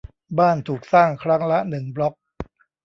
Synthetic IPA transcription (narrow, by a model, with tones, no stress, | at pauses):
baː˥˩nt̪ʰuː˨˩k̚saː˥˩ŋkʰɾa˦˥ŋla˦˥nɯ˨˩ŋblɔ˦˥k̚